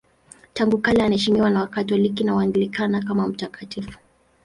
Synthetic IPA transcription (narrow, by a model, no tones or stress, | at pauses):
taŋɡukalɛanahɛʃimiwanawakatɔlikinawaŋɡilikanak̬amam̩takatifu̥